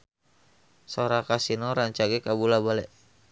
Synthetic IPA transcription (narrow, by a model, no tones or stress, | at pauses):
soɾakasinɔɾaɲt͡ʃaɡɛkabulabalɛʔ